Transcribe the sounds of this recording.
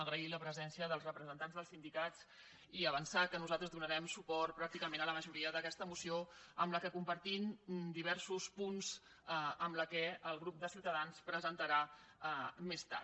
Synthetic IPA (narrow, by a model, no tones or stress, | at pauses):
əɣɾəiləpɾəzɛnsiəðəlˠzrəpɾəzənt̪anzðəlˠsind̪ikat͡s | iəβənsakənuzalˠt̪ɾəzðunəɾɛmsupɔrt̪̚pɾak̚t̪ikəmẽnələməʒuɾiəðəkɛst̪əmusioə̰mləkəkumpəɾt̪ind̪iβ̞ɛɾsuspunz̥ | əmləkɛəlˠɣɾup̚d̪əsiwt̪əðanspɾəzənt̪əɾa | mest̪a̰ɾt̪